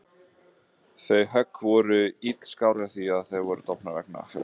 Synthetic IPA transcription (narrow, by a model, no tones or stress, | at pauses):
θejɦœkːvɔɾʏit̪l̥skawɾɪaθiaðθejvɔɾʏt̪ʰɔpnavɛk̚na̰